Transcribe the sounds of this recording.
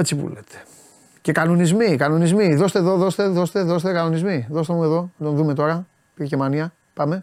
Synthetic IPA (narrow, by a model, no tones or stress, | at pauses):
et͡sipṵlḛt̪ʰe̥ | ce̞kɐno̞nizmikɐno̞nizmiðo̞st̪eðo̞ðo̞st̪e̞ðo̞st̪e̞ðo̞st̪ekɐno̞nizmiðo̞st̪emue̞ðo̞ɐnd̪o̞nðume̞t̪o̞ɾɐ | piʝecemɐniɐ | pɐme̞